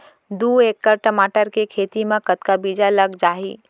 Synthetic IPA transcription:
d̪uːekːəɾʈəmaːʈəɾkekʰeːt̪imẽkət̪kabid͡ʒaləɡd͡ʒaːɦḭː

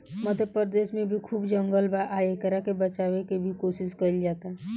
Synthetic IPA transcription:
məd̪ʱepəɾd̪esmẽbʱikʰuːbd͡ʒə̃ŋɡəlbaʔaekəɾakebət͡ʃaʋekebʱikosiskəild͡ʒat̪a

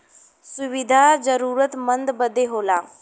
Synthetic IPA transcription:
sʊʋɪd̪ʱazəɾuːɾət̪mə̃nd̪bəd̪ʱeɦoːlaː

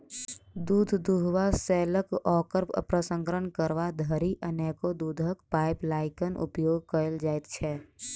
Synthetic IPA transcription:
d̪uːd̪ʱd̪uɦʋasɛːləkɔːkəɾpə̰pɾəsə̃ŋkɾəɳkəɾʋad̪ʱəɾiʔənɛːkod̪uːd̪ʱəkpaːɪplaːɪkənʔʊ̰pjoːɡ̚kəəld͡ʒaːɪt̪t͡ʃʰɛ

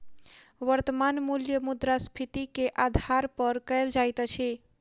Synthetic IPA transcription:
ʋəɾt̪əmanmuljəmud̪ɾaspʰit̪ikeʔad̪ʱaɾpəɾkəjld͡ʒajt̪t͡ʃʰi

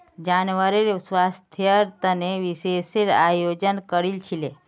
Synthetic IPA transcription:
d͡ʒanʋəɾeɾswast̪ʰjəɾt̪əneʋiseseɾajod͡ʒənkəɾilt͡ʃʰile

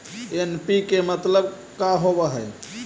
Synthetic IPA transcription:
enpikemət̪ləb | kaɦobəɦəj

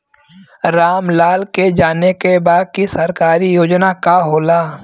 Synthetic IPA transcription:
ɾaːmlaːlked͡ʒaːnekebaːd̪̚kisɐɾkaːɾijoːd͡ʒnakaɦoːlaː

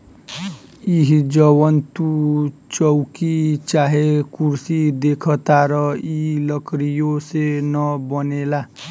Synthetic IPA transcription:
iɦid͡zʌwʌnt̪ut͡sʌwkit͡saɦekursid̪ekʰʌt̪aɾʌilʌkɾijosenʌbʌnela

